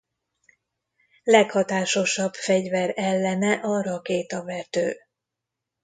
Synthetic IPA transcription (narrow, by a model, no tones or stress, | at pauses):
lɛkhɒt̪aːʃo̞ʃɒbfɛɟvɛɾɛlːɛnɛʔɒɾɒkeːt̪ɒvɛt̪ø̰ː